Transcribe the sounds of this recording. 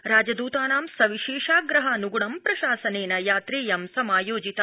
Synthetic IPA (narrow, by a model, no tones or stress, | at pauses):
ɾaːd͡ʒɐd̪uːt̪aːnaːmsɐʋiʃeːʃaːɡɾɐɦɐnuɡuɳɐmpɾɐʃaːsɐneːnɐjaːt̪ɾeːjɐmsɐmaːjoːd͡ʒit̪ɐ